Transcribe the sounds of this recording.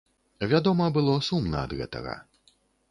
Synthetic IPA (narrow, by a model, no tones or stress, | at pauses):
vʲad̪ɔmɐbɨlˠɔsumnɐ̰ɐd̪ɣɛ̰t̪ɐ̰ɣɐ̰